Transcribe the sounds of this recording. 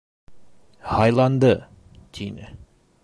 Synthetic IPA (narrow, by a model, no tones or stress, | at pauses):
hɑjlˠɑnd̪ɤ | t̪ʲʰinɘ̰